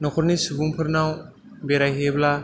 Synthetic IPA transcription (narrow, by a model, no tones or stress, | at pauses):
nɔkʰɔɾnisubuŋpʰɯɾnaw | beɾajɦebla